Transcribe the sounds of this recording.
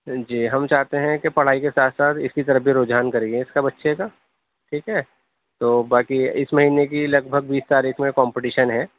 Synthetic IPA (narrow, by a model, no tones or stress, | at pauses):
d͡ʒiːɦɐmt͡ʃaːɦt̪eɦɛ̃kepɐɽ̤aːikesaːt̪ʰsaːt̪ʰɪskit̪ɐɾəfbʱiɾoːd͡ʒɦaːnkɐɾeːɡiẽɪskabɐtːʃʰekaː | ʈʰiːkɦɛ | t̪oːbaːkiɪsmɐɦiːnek̬ilɐɡ̚bʱəɡ̚biːst̪aːɾiːkʰmẽkɔ̃ːmpɪʈiːʃənɦɛ̃ː